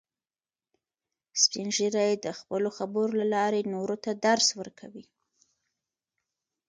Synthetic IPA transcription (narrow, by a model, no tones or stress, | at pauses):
spinʒiɾajed̪əxpəloxabəɾolalɑɾenoɾot̪ad̪aɾswəɾkʰawi